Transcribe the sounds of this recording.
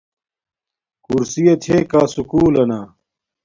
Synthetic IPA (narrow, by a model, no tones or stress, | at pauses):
kuɾsijɐt̪ʰeːkaːsukuːlɐnaː